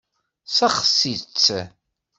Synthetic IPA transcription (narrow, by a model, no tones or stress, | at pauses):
sæχə̥sit͡sː